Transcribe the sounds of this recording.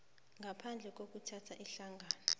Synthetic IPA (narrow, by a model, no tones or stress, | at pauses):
ŋɡʱapʰand͡ɮʱɛk̬ʼok̬ʼutʰatʰaʔiɬaŋɡʱaːnɔ